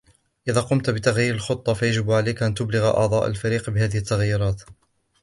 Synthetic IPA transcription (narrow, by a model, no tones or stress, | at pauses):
ʔɪðaːqʊmt̪bɪt̪aɣjiːɾɪlxʊt̪ˤːɑfajad͡ʒɪbʕalajkʔant̪ʊblɪɣʔɑ̰ʕd̪ˤɑːʔa̰lfaɾiːqbɪhaːðɪhɪt̪ːaɣjːʊɾˤɑːt̪